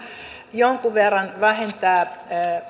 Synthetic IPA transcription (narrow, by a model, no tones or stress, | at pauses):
joŋkuʋerːɑnʋæhent̪æː